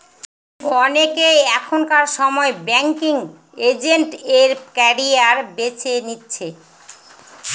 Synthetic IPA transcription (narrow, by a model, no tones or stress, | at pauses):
ɔnekejɛkʰonkaɾʃɔmɔebɛŋkiŋ | ed͡ʑeɳʈeɾkɛɾiaɾbet͡ɕenitːɕʰe